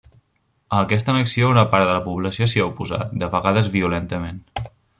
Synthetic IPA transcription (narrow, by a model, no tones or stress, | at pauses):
əːkɛst̪ənəksiounəpaɾðələpuβləsiosiaupuza̰t̪̚d̪əβəɣaðəzβiulɛnt̪əmen